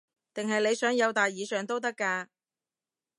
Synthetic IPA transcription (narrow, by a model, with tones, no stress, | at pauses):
t̪ɪ˨ŋɦɐ˨jle˨˧jsœː˨˥ŋjɐ˨˧wt̪aː˨jːiː˨˧sœː˨˩ŋt̪o˥wt̪̬ɐ˥kːaː˧